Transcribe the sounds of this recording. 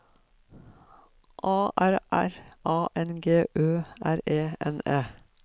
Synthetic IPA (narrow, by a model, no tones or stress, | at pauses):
ʔɑːʔæɾʔæ̰ɾʔɑːʔɛnɡeːʔøːʔæɾeːɛ̰neː